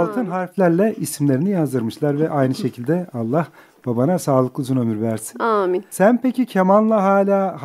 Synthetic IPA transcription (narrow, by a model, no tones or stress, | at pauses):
lˠt̪ʰɯnɦaɾflʲæɾlʲɛʔisimlʲe̞ɾinijazd̪ɯɾmɯʃlˠaɾvɛʔajnɯʃe̞cʰilʲd̪ɛalˠːah | b̥abanasaːlˠɯklˠɯzunø̞myɾvæɾsi̥namisænpʰecʰicʰemanˠlˠaɦaːlʲaːh